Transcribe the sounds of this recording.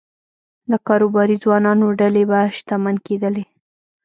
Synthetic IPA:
d̪əkɑɾobɑɾizwɑnɑnoɖalebaʃt̪amanked̪əle

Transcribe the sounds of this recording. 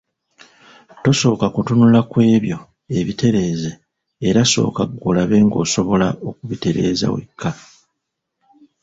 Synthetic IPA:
to̞so̞ːkakutunulakwe̞ːβjo̞ | e̞βite̞ɾe̞ːze̞ː | ɾaso̞̰ːkaɡolaβe̞ːŋɡo̞̰ːso̞βo̞lao̞kuβite̞ɾe̞̰ːza̰wḛkʰːa

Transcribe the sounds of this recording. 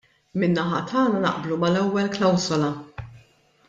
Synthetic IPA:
mɪnːɐħɐ̰t̪ʰɐːnɐnɐ̰ʔblumɐlɛwːɛlklɐwzɔlɐ

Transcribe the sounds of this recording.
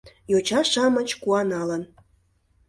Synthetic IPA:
jot͡ɕɑʃɑmət͡ɕkuɑnɑlən

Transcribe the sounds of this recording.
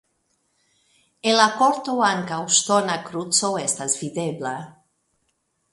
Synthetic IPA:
elakɔɾt̪owaŋkawʃt̪ɔnakɾut̪t͡sowɛst̪azvidebla

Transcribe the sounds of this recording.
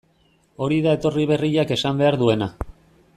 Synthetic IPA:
o̞ɾiðae̞t̪o̞riβ̞e̞riʎake̞sambe̞aɾðue̞na

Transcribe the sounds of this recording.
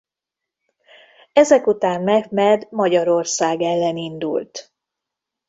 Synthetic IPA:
ɛzɛkut̪aːnmɛhmɛd̪mɒɟɒɾo̞rsaːɡɛlːɛnind̪ṵlt̪

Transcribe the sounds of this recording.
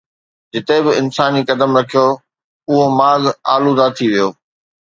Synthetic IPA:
d͡ʑɪt̪ebɪɪnsaːnikɐd̪əmɾɐkʰijo | ʊɦomaːɡaːlud̪at̪ʰiʋijoː

